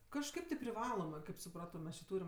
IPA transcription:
kɐʃˈkɐɪp tʲɪ pʲrʲɪˈʋɑːlˠoːmɜ kɐɪp sʊˈprɑːtoː ˈmʲɛs t͡ʃʲɪ ˈtuːrʲɪm

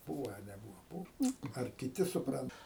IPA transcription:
ˈbuːʋɐ ɐ nʲɛˈbuːʋɐ ˈbuːw ɐr kʲɪˈtʲɪ sʊˈprɐnt

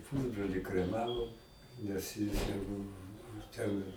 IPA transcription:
ˈpʊzbroːlʲɪ krʲɛˈmɑːʋoːm nʲɛs jɪs jɛʊ ˈbʊʋʊ tʲɛn

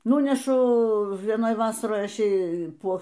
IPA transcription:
ˈnuːnʲɛʃʊ ʋʲiɛˈnoːj ˈʋɑːsɐroːj ˈɐʃ ˈjɛɪ ˈpoː

